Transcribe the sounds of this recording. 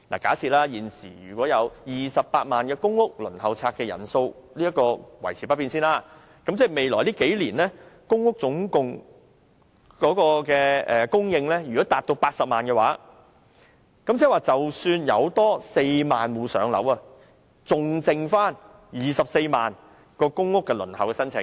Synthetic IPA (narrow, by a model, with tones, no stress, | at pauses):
na̰ː˨kaː˨˥t͡sʰiː˧t̚laː˥jiː˨˩nsḭː˨˩jy̰ː˨˩kɔː˨˥jɐ˨˧wjiː˨sɐ˨p̚ːaː˧t̚maː˨nkɛː˧kʊ˥ŋʊ˥k̚lɵ˨˩nhɐ˨˧wt͡sʰaː˧k̚ɛː˧jɐ̰˨˩nso˧wliː˥jɐ˥t̚kɔː˧wɐ̰˨˩jt͡sʰiː˨˩pɐ˥t̚piː˧nsiː˥nlaː˥ | kɐ˨˦mt͡sɛː˥˩me˨jlɔ̰ː˨˩jliː˥ke˨˥jliː˨˩nlɛː˥kʊ˥ŋːʊ˥k̚t͡sʊ˨˥ŋkʊ˨ŋ | kɔː˨˥kɔː˧kɛː˧ʔɛ̰ː˨kʊ˥ŋjɪ˧ŋlɛː˥jyː˨˩kɔː˨˥t̪aː˨t̚t̪o˧wpaː˧t̚sɐ˨p̚maː˨nkɛː˧waː˨˦˥ | kɐ˨˥mt͡sʰɛː˨˥waː˨˩t͡sɐ˨wsyː˧njɐ̰˨˧wt̪ɔː˥se˧jmaː˨nwuː˨˧sœ̰ː˨˧ŋlɐ̰˨˥wɐ˧ | t͡sʊ˨ŋt͡sɪ˧ŋfaː˥n | jiː˨˩sɐ˨p̚se˧jmaː˨n | kɔː˧kʊ˥ŋːʊ˥kːɛ˧lɵ˨˩nhɐ˨wkɛ˧sɐ˥nt͡sʰɪ̰˨˩ŋ